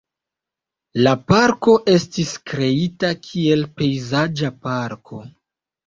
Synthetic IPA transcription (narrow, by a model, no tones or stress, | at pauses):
lapaɾko̞ʔe̞stiskɾe̞itakʰie̞lpe̞jzad͡ʒapaɾkʰo̞